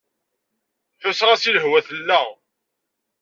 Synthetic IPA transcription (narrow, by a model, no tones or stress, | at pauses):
θʊsʁæsiləhwæθəlːæ